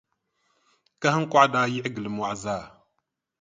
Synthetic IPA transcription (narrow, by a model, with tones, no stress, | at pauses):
ka˦hə˦ŋkʷa˦da˦ji˦ʔɡə˨lə˨m˨a˨za˦˨